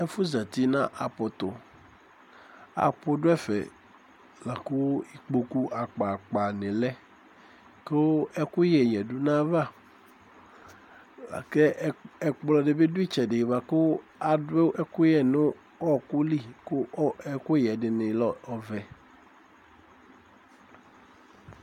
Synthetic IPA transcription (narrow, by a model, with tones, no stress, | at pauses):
ɛ˦fu˦za˨t̪i˦nã˦ʔa˨po˨t̪o˨ | a̰˨po˦ɖʊ˦ɛ˦fɛ̰˨ | la˨ko˦i˦k͡po˨ku˦ʔa˨k͡pa˨k͡pa˨nẽ˨lɛ˦ | ke˦wo˦ɛ˦ku˦jɛ˨ɲɛ̃˨ɖu˦nã˦va˦˨ | la̰˨ke˦ɛ˨k͡plɔ˨ɖe˨be˦du˦i˦t͡ʃɛ˨de˨va˨ko˦a˨de˦ʔɛ˦ku˦jɛ˨nʊ̃˦ | ɔ˦˨ku˦li˦˨ko˦ɛ˦ku˦jɛ˨dɪ˨nɪ̃˨lɔ˦˨ɔ˨vɛ˨